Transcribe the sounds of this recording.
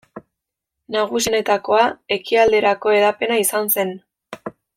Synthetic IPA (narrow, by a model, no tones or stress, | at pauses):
naɣ̞us̬ine̞t̪ako̞ae̞kiald̪e̞ɾako̞e̞ðape̞naisanse̞n